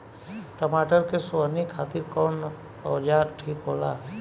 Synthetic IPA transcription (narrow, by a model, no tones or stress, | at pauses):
ʈəmaːʈəɾkesanikʰaːt̪ɪɾkɔːn | ɔd͡ʒaːɾʈʰiːkɦoːla